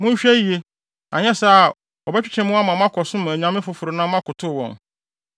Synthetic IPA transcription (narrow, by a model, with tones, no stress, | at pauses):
mʊ̃˦ɲ˦ɕᶣɛ˦i˦je˦ | ʔã̰˨ɲɛ˦sa˦˨ | ɔ˨bɛ˦t͡ɕᶣi˦t͡ɕʰɛ̃˨mʊ̃˦a˦mã˨mã˦kʰɔ˨sʊ̃˦mʊ̃˨æ˨ɲã˦mɪ̃˦fʊ˨fʊ˨ɾʊ˨nã˦mã˦kʊ˨tʰʊ˦˨wɔ̰̃˨n